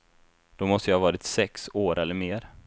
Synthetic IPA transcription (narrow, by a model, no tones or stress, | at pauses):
d̪̥ɔmɔst̪əjɑhɑvɑːɾɪt̪sɛksoːɾʔɛlːəɾmeːɾ